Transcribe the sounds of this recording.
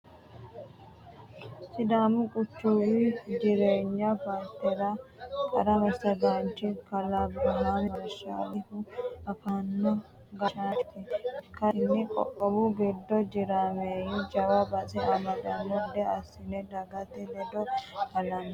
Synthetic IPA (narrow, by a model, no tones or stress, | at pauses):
sɪd̪aːmʊkʼʊt͡ʃːuwɪd͡ʒɪɾeːɲːɐpaːɾt̪ːɛɾɐkʼɐɾɐmɐsɐɡant͡ʃːɪkɐlɐbɾɐɦaːmɪmɐɾʃa̰ːlɪhʊɐfanːɔ | ɡɐʃat̪ɪkɐnːɪkʼɔ̰ʔʼːɔbʊɡɛd̪ːɔd͡ʒɪɾaːmeːjɪd͡ʒɐwabɐt͡sʼɛɐmɐd̪ɐnːɔd̪ɛɐsɪnɛd̪ɐɡɐt̪ɛlɛd̪ɔkɐlɐn